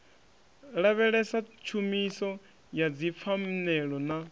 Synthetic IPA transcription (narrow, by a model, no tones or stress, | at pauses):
ɺaβɛɺɛsat͡ʃʰumisɔ | jad͡zip̪fʰam̩nɛɺɔna